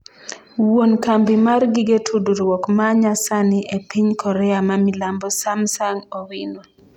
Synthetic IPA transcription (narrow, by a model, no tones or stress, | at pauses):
wonkambɪmarɡiɡetʰuduɾwɔkmaɲasanɪʔepiɲkʰɔɾɛamamilambɔsamsaŋowinwɔ